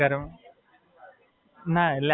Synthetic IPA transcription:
ɐɾɐm | nal

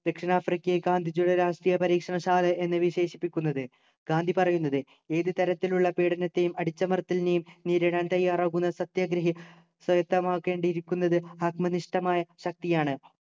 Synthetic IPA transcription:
d̪̥ɐkʂinaːfrikʲːɐeɡaːnd̪ʱid͡ʑuɽɐɾaːʂʈriːjɐpɐɾiːkʂɐɳɐɕaːlɐʔe̞nːɨʋiɕe̞ːɕipːikʲːunːɐðɨ | ɡ̥aːnd̪ʱipɐrɐjunːɐðɨ | eːðɨt̪ɐɾɐt̪ːiluɭːɐpeːɽɐnɐt̪ːe̞jumɐɽit͡ɕːɐmɐrt̪ːilnejumniːɾeɽaːnt̪ɐjːaːraːɣunːɐsɐt̪jaɡɾɐɦi | sɐjɐt̪ːɐmaːkːe̞ːɳɖiɾikʲːunːɐðɨhɐkmɐniʂʈɐmaːjɐɕɐk̚t̪ijaːɳɨ

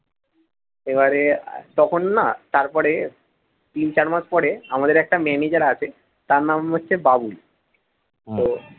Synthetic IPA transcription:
eβaɾet̪ɔkʰonːat̪aɾpɔɽe | t̪int͡ɕaɾmad͡ʑpɔɽeamad̪eɾɛk̚ʈamɛnid͡ʑaɽaat͡ɕʰe | t̪aɾnamɦotːɕʰebabul | t̪o

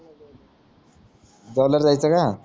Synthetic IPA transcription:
dʌlʌrd͡zajt͡sʰʌka

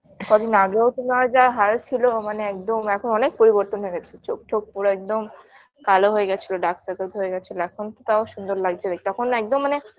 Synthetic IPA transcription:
kɔd̪inaɡeot̪inad͡ʑaɦalt͡ɕʰilomaneɛk̚d̪omɛkʰonɔnek̚poɾiboɾt̪onɦoeɡɛt͡ɕʰet͡ɕok̚t͡ɕʰok̚puɾoɛk̚d̪om | kaloɦoeɡɛt͡ɕʰiloɖaksakelt̪ɦoeɡɛt͡ɕʰiloɛkʰont̪ot̪aoʃund̪oɾlaɡ̚d͡ʑʰebek̚t̪ɔkʰonɛk̚d̪omːane

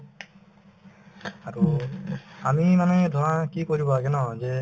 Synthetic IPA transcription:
aɹu | amimanɔɦɛd̪ʱɔɹãkikoɹibɔaɡɛnɔzɛ

